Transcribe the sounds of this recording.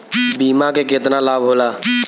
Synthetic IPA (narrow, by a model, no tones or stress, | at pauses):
biːmãːkekɪt̪naːlaːbɦoːlaː